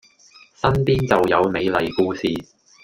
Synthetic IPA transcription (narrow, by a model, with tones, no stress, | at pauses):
sɐ˥npiː˥nt͡sɐ˨wjɐ˨˧wme˨˧jlɐ˨˧jkuː˨˧siː˨˧